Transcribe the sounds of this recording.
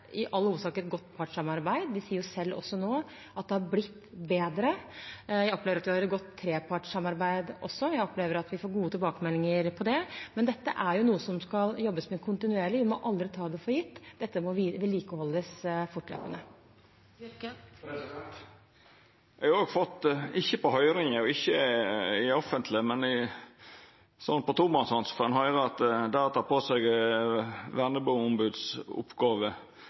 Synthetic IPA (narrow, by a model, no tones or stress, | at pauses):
ɪʔɑlːəuːsɑːkət̪ɡɔt̪ːpʰɑʈʂɑmɑɾbæɪd̪d̪ɪsiːəɾjʊsɛlːɔ̰sːɔnoː | ʔɑt̪̚d̪ɛhɑɾblɪt̪ːbeːd̪ɾəjæɪɔpleːʋɾɑt̪ʋɪhɑɾɡɔt̪ʰːɾeːpʰɑʈʂɑmːɑɾbæɪd̪ʔɔ̰sːɔjæɪɔpleːʋəɾɑt̪ʋɪfoːɾɡuːət̪ʰɪlbɑːkəmɛlːɪŋəɾpʰɔd̪ɛmɛnd̪ɛt̪ːə̰ʔæɾjʊnuːəsɔmskɑljɔbːəsmɛkʰʊnt̪ɪnʉeːɭɪʋɪmɔʔɑld̪ɾɪt̪ʰɑːd̪ɛfɔːɾjɪt̪ːd̪̥ɛt̪ːəmɔʋiʋɪlːiːkəhɔlːəsfʊʈlø̰ːpənə | jɛɑoːɡfɔt̪ːɪçːəpɔhœʏɾɪŋəɔɪçːəɪɔfənt̪ʰlɪəmɛnɪ | sɔnːpɔt̪ʰʊmɑnsɔnsfɔɾɑnhɑʏɾəɑt̪d̪æɾɔt̪ʰɑːpʰoːsɛɡ | ʋænəbuːʊmbʉd̪sʊ̰pːɡɑːʋə